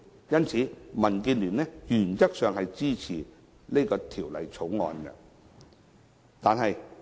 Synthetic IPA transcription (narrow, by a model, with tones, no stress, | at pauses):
jɐ˥nt͡sʰiː˨˥mɐ˨˩nkiː˧nlyː˨˩nɛː˥jyː˨˩nt͡sɐ˥k̚sœː˨ŋhɐ˨jt͡siː˥t͡sʰiː˨˩ | le˥kɔː˧t̪ʰiː˨˩wlɐ̰˨˧jt͡sʰo˨˥wŋɔ̰ː˧nɡɐ̰˧ | t̪aː˨nɦɐ˨j